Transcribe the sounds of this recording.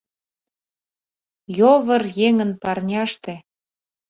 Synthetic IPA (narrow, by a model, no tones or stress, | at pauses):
joβɤrjeŋə̆npɑrnʲɑʃt̪e